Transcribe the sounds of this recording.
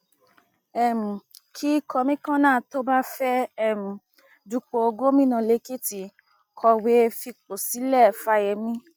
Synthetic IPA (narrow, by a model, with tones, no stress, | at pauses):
ɛ˨mũ˨kʰi˦kɔ˧mĩ˦kã˦nãː˦˨to˦ba˦fɛ˦ɛ˦˨mũ˨ | du˧k͡po˨o˧ɡo˦mĩ˦nã˨˧˨le˨˦ki˦ti˨˧ | kʰɔ˧we˦˧fi˧k͡po˨si˨˦lɛ˦˨fa˧˦jɛ˧mĩ˦